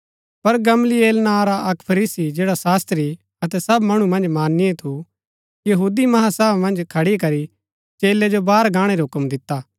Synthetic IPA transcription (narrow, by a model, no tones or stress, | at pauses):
pɐɾɡɐmlieːlnaɾaʔɐkpʰɐɾiːsid͡ʒeːɽasaːst̪ɾi | ɐt̪ɛsɐbmɐɽ̃umɐ̃nd͡ʒmaːnːɪẽt̪ʰu | jɐɦuːd̪imɐɦãsɐbmɐ̃nd͡ʒkʰɐɽik̬ɐɾi | t͡ʃeːled͡ʒobaːɾɡʱãːɽ̃eɾiɦʊkəmd̪ɪt̪ːaː